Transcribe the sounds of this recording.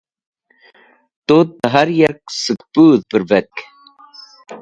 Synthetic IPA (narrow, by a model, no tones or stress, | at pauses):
t̪ot̪̚ːəɦaɾjɛɾksɨk̚puːðpəɾvɛk